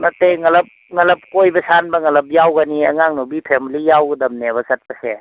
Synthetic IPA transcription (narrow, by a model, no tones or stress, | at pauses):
nɐteŋɐlɐp̚ | ŋɐlɐp̚kojbɐsanbɐŋɐlɐp̬̚jawɡaniɐ̰ŋaŋnobipʰemlijawɡɐdɐmneβɐsɐt̚bɐse